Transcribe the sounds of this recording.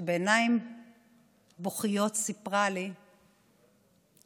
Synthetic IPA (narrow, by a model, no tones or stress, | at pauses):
beːnaim | boχijo̞tsipʁali